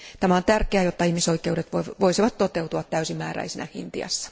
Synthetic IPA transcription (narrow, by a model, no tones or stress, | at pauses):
tt̪æmæont̪ærkeæjot̪ːɑihmisoikːˑeuɾet̪ʋoʋoisiʋɑt̪t̪ot̪ewt̪uɑt̪tːæysimːæ̰ːɾæ̰isinæhḭnt̪ḭɑ̰sːɑ̥